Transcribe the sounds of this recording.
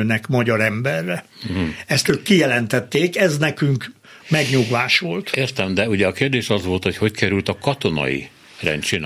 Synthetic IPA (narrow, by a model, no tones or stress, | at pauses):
øːnɛkmɒɟɒɾɛmbɛrːɛ | ɛst̪øːkkːijɛlɛnt̪ɛt̪ːeːkɛznɛkyŋk | mɛɡɲuɡʋaːʃʋo̞lt̪eːrt̪ɛmd̪ɛuɟɛɒkeːrd̪eːʃɒzʋo̞lt̪hocho̞ckɛɾylt̪ɒkɒt̪o̞nɒ̰ḭ | rɛ̰nt͡ʃin